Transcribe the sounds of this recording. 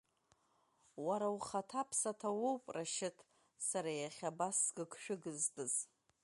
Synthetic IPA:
waɾawχatʰapʰsatʰawowpʼraʃɪtʰʼ | saɾajaχʲabasːɡɨkʰʃᶣʊɡɨztʼɨz

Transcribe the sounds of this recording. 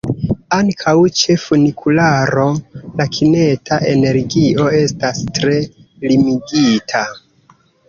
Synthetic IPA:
aŋkʰawt͡ʃe̞funikʰulaɾo̞lakʰine̞tʰaʔe̞ne̞ɾɡio̞e̞stastɾe̞ | limiɡitʰa

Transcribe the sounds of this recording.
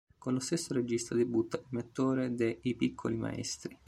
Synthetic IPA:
konlost̪esːoɾed͡ʒist̪ad̪ebut̪ːailmet̪ːoːɾed̪eipikʰːolima̰ɛ̰st̪ɾi

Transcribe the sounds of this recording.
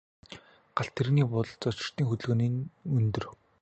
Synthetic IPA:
ɢ̥aɬt̪ʰːeɾɣniːpʊɮt͡sɔt͡ɕɪ̆r̥t̪iːŋxɵt̪ɮɣɘ̆niːnɵnt̪ɵ̆r

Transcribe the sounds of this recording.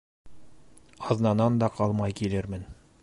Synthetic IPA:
ɑznɑnɑnd̪ɑqɑlˠmɑjkilɘɾmɘn

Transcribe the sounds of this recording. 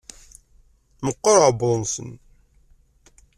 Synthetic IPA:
məqːəɾʕboðˤnsə̰n

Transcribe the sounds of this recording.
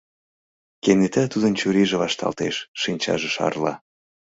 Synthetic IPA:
kenet̪æt̪ud̪ənt͡ɕuɾiʒeβɑʃt̪ɑ̰lt̪eʃːinʲt͡ɕɑ̰ʒeʃɑ̰rlɑ

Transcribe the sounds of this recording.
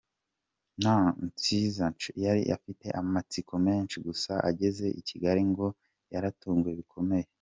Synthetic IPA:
nant͡sizant͡ʃjaɾḭʔa̰fite̞̰ʔamat͡sikʰome̞ːnʃiɡusaʔa̰ɟe̞ze̞ʔiciɡaɾiŋɡo̞ | jaɾatuːŋɡwe̞βikʰo̞me̞je

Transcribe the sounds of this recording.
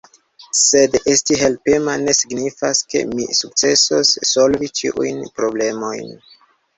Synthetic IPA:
se̞destiɦe̞lpemane̞siɡnifaske̞̰mḭsuk̚t͡se̞sosːo̞lvit͡ʃḭʔṵjnpɾo̞ble̞mo̞jn

